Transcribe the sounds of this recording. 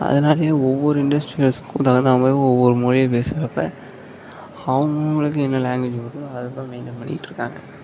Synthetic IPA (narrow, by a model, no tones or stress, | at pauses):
ɐ̰ðɐnaːlɐjeːɔʋːɔɾɯɪɳɖɐsʈɾiɣɐɭskːũt̪ɐɣɐnd̪aːmɐːɔʋːɔɾɯmɔɻɪjɐpeːsɐɾɐpːɐ | ɐʋɐŋɡɐŋɡɐɭɯkːɯɛnːɐlaːŋɡʋɪd͡ʒʋɐɾɐðɐt̪ːãːmɛɪnd̪ɐpɐɳːɪ̰kɪʈːɾɯkːa̰ːŋɡɐ